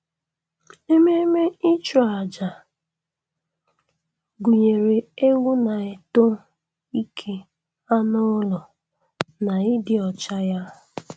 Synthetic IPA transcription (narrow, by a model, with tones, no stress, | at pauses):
e˦me˦me˦i˦t͡ʃu˨a˨d͡ʒa˨ | ɡu˨ɲe˨ɾe˨e˦ŋʷu˦na˨e˨to˦ | i˦kʰe˦ | a˦nʊ˦lɔ˨ | na˨ɪ˦dɪ˨ɔ˨t͡ʃa˦ja˦